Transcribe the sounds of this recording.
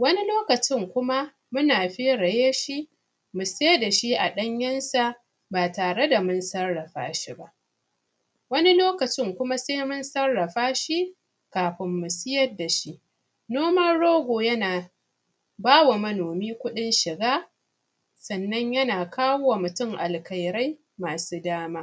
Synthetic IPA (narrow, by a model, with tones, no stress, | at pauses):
wɐ˦ni˦loː˦kɐ˨t͡ʃɪ˦˨ŋkʷʊ˦ma˦ | mʊ˦naː˨ɸeː˦ɽɐ˨jeː˦ʃi˦ | mʊ˨seː˦da˨ʃi˦ʔa˨ɗɐ˦ɲjɐ˦nsa˨ | baː˨taː˨ɽe˦da˨mʊ˦nsɐ˦rːɐ˨ɸa̰ː˦ʃi˦ba˦ʔ | wɐ˦ni˦loː˦kɐ˨t͡ʃɪ˦ŋkʷʊ˦ma˦seː˦mʊ˦nsɐ˦rːɐ˨ɸaː˦ʃi˦ | kaː˨ɸɪ˦mːʊ˨sɪ˦jɐ˦dːa˨ʃi˦ʔ | noː˦mɐ˦nɽoː˦ɡʷoː˨jɐ˦naː˨ | baː˦wa˨mɐ˦noː˨miː˦kʷʊ˦ɗɪ˦nʃɪ˨ɡaː˦ | sɐ˨nːɐ˦ɲjɐ˦naː˨kʰaː˦wo˦wa˨mʊ˨tʊ˦˨ŋʔa̰˨lkɐ˨jɾa˦j | maː˨suː˦daː˦maː˦ʔ